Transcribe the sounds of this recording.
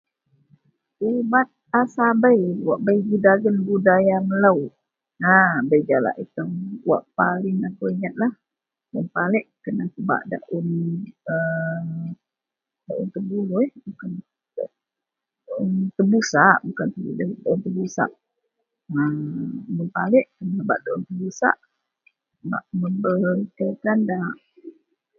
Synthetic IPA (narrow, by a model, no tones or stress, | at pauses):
umat̪̚asabəjwaʔbəjbudaɡənbudajaməlaw | nabəjd͡ʒala̰ʔit̪əmwa̰ʔpalɪŋakuwiɲat̪̚lah | mənpalɛʔkənahkəba̰ʔda̰ʔunə | daʔunt̪əbulujbukan | da | unt̪əbusaʔbukant̪əudadaʔunt̪əbusa̰ʔ | əmənpalɛʔkənahba̰ʔd̪aʔunt̪əbusa̰ʔ | ba̰ʔməmbək̪əkandaʔ